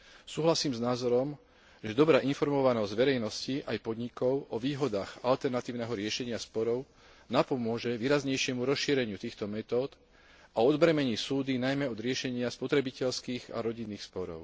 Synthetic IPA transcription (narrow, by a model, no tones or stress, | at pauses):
suːɦlasiːmznaːzɔɾɔm | ʒɛd̪ɔbɾaːʔinfɔɾmɔʋanɔzɟʋɛɾɛjnɔsciʔajpɔd̪ɲikɔʊʔɔʋiːɦɔd̪aːɣalt̪ɛɾnat̪iːʊnɛɦɔɾɪɛʃɛɲɪaspɔɾɔʊ | napɔmʊɔʒɛʋiːɾazɲɛjʃɪɛmuɾɔsʃiːɾɛɲɪut̪iːxt̪ɔmɛt̪ɔːt̪ | aɔd̪bɾɛmɛɲiːsuːd̪inajmɛɔd̪ɾɪɛʃɛɲɪaspɔt̪ɾɛbicɛlskiːɣa̰ɾɔɟinːiːxspɔɾɔ̰ʊ